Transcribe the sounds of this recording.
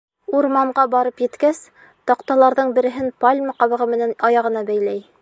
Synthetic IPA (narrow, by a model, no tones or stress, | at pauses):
uɾmɑɴɢɑbɑɾɤpjɘ̆t̪kæs | t̪ɒqt̪ɑlˠɑɾðɤɴbɘ̆ɾɘ̆ɦɘnpalʲmɑqɑβɤ̆ʁɤmɘ̆nænɑjɑʁɤ̆nɑbæjlæj